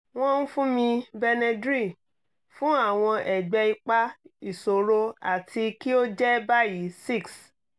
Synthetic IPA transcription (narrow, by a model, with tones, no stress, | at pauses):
w̃ɔ̃˦n̩˦fũ˦mĩ˧bɛ˧nɛ˧dɾi˦˨ | fũ˦a˦˨w̃ɔ̃˧ʔɛ˨ɡ͡bɛ˧i˧k͡pa˦i˨so˨ɾo˧a̰˦˨tʰi˧ki˦o˦d͡ʒɛ˦ba˦ji˨˦si˦˨ks